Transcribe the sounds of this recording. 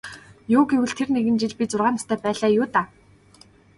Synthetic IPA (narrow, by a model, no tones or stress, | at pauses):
jʊːɡewɘ̆ɮt̪ʰerneɣɘ̆nt͡ɕiɮpʲit͡sʊrʁaːnɔst̪ʰœːpæːɮaːjʊːt̪aː